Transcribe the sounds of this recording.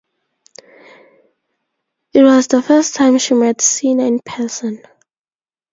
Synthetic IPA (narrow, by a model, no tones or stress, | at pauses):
it̚wɔzðəfɜstʰːãɪ̃mʃimɛdsinãnpʰɛsə̃n